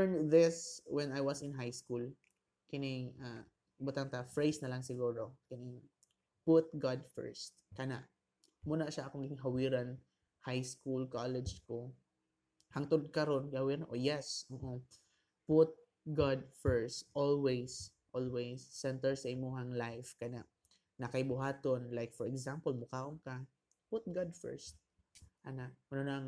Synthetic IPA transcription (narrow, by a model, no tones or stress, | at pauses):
ɛnðɪswɛnajwasɪnɦajskul | kɪnɪŋa | bʊt̪ant̪afɹejsnɐlaŋsɪɡuːɾokɪnɪŋ | pʊt̪̚ɡad̪fɛ̰ɹst̪̚kɐnaʔ | muːnaʃaʔɐkoŋɡɪɦawɪɾan | hajskulkalɛd͡ʒko | haŋt̪od̪̚kɐɾonɡhawiɾanʔojɛsoʔo | pʊt̪̚ | ɡad̪̚fɛɹst̪ʔolwejs | ʔolwejsːɛnt̪ɛɹsɐʔɪmohaŋlajfkɐna̰ʔ | nɐkɐjbʊɦaːt̪onlajkfɔɹɛɡsampəlmʊkaːʔʊŋka | pʊt̪̚ɡad̪fɛ̰ɹst̪̚ | kanaʔʔɐnonaŋ